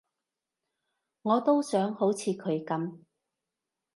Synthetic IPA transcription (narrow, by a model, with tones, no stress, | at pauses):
ŋɔː˨˧t̪o˥wsœː˨˥ŋho˨˥wt͡sʰiː˨˧kʰɵ˨˧ɥkɐ˨˥m